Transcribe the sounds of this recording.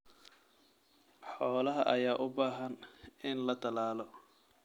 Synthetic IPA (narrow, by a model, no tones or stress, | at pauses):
ħɔːlɐɦɐʔɐjaːʔʊbaːɦɐnɪnlɐt̪ʰɐlaːlɔ